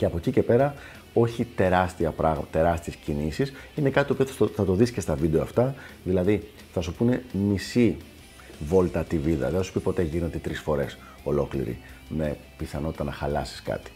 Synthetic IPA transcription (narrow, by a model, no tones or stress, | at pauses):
ce̞ɐpo̞cice̞pe̞ɾɐ | o̞çit̪e̞ɾɐst̪iɐpɾɐɣmɐt̪e̞ɾɐst̪iescinisisine̞kɐt̪t̪o̞pioθɐt̪o̞ðiscest̪ɐvid̪eoɐft̪ɐðilɐði | θɐsupune̞misi | vo̞lt̪ɐt̪iviðɐ̰ðeθɐsu̥pipo̞t̪e̞ʝinot̪d̪et̪ɾisfo̞ɾe̞s | o̞lo̞klḭɾḭme̞ | piθɐno̞t̪i̥t̪ɐnɐxɐlɐsi̥skɐ̰t̪i̥